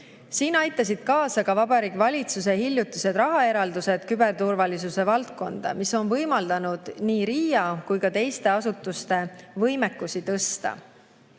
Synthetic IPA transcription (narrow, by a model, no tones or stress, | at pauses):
siːnɑjt̪ːˑɑsid̪̥̚kɑːsɑkɑvɑbɑɾiːɡvɑlʲit̪sus̬e̞hilʲjut̪ːˑuse̞d̪rɑɦɑe̞ɾɑld̪use̞d̪̥kybe̞rt̪urvɑlisuse̞vɑlt̪̚ko̞nd̪̥ɑ̰miso̞nvɤjmɑld̪̥ɑnud̪̥niːɾiːjɑkujkɑt̪e̞jst̪e̞ɑsut̪ːˑust̪e̞vɤjmekːˑusit̪ɤst̪ɑ̰